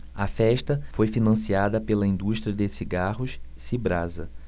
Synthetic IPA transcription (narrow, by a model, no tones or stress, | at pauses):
ɐfɛʃt̪ɐfojfinɐ̃siad̪ɐpelɐĩnd̪uʃt̪ɾiɐd̪esiɡaɦʊʃ | sibɾazɐ